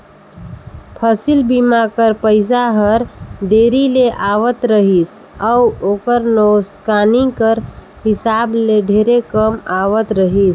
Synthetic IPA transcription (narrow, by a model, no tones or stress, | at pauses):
pʰəsilbimakəɾpəɪsaɦəɾɖ̪eɾileʔaʋət̪ɾəɦis | əuokəɾnoskanikəɾ | hisableɖʱeɾekəmaʋət̪ɾəɦis